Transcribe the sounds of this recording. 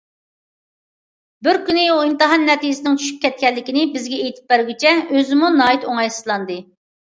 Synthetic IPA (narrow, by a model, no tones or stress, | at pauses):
bɪɾkʲynɪuimt̪ɨɦɑnːɛt̪ijɪsɪnɪŋt͡ʃʰy̥ʃy̥p̚kʲɛt̪̚kʲɛlːɪkʲɪnɪbɪzɡʲɛejt̪ʰɪ̥p̚bæɾɡʲit͡ʃʰɛøzɪmunɑːjit̪oŋɑjsɨ̥zlˠɑnd̪ɨ